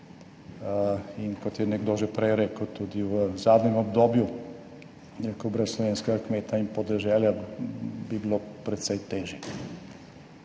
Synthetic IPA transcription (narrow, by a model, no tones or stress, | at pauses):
inkot̪jɛnɛɡd̪oʒɛpɾɛjɾɛːkəwt̪uːd̪iwzaːd̪nɲɛmobd̪oːbju | ekobɾəssloʋeːnskeɡakmeːt̪aimpod̪ɛʒɛːlja | bibilopɾɛt̪sejt̪eːʒjɛ